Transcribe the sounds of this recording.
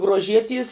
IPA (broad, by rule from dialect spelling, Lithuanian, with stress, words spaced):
ɡruɔˈʒʲiɛtʲiɛs